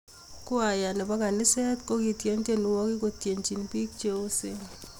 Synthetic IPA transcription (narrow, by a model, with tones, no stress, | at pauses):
kʊ˦a˨ja˨nɛ˨ba˦ka˨nɪ˦sɛ˦tko˦ki˨tje˦nte˦nu˨wɔ˦kɪ˦ko˦tje˨ɲt͡ʃi˨npi˦k̚t͡ʃo˦o˦se˦